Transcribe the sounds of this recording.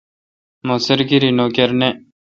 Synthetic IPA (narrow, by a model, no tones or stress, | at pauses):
moːsəɾɡiɾinoːkeɾne